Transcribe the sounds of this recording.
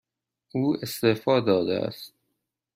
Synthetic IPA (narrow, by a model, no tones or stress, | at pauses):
ʔuːest̪efɒːd̪ɒːd̪ḛʔæ̰st̪̚